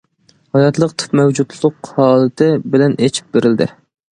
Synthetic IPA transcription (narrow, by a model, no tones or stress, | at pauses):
hɑjɑt̪lˠəqt̪ʰɨ̥pmɛwd͡ʒut̪lˠʊqhɑːlˠɨt̪ʰɪbɪlɛnet͡ʃʰi̥p̚beɾɪld̪ɪ̰